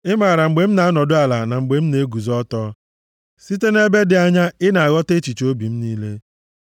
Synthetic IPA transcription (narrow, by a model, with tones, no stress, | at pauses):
ɪ˦ma˨ɾa˨ŋ͡m̩˨ɡ͡be˨m̩˦na˨a˦nɔ˨dʊ˦a˨la˨na˨ŋ͡m̩˨ɡ͡be˨m̩˦ne˨˦ɡu˨zɔ˦tɔ˦ | si˦te˦ne˦be˦dɪ˨a˦ɲa˦ɪ˦na˨a˨ɣɔ˦te˦t͡ʃi˨t͡ʃo˦bi˨m̩˦niː˦le˦